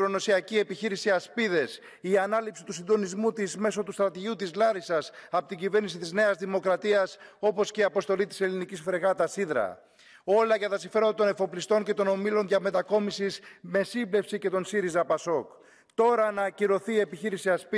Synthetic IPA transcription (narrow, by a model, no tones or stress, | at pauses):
ɾono̞siɐcie̞piçiɾisiɐspiðe̞s | iɐnɐlipsi̥t̪usind̪o̞nizmut̪izme̞so̞t̪ust̪ɾɐt̪iʝut̪izlɐɾisɐsɐpot̪iɟive̞ɾnisit̪izne̞ɐzðimo̞kɾɐt̪iɐso̞po̞sceiɐpo̞st̪o̞lit̪i̥se̞linicisfɾe̞ɣɐt̪ɐsiðɾɐ̰ | o̞lɐʝɐt̪ɐsiɱfe̞ɾond̪ɐt̪o̞ne̞fo̞plist̪o̞ɲce̞t̪o̞no̞milo̞nʝɐme̞t̪ɐko̞misisme̞simble̞fsice̞t̪o̞nsiɾizɐpɐso̞k | t̪o̞ɾɐnɐciɾo̞θiːe̞piçiɾisiɐspi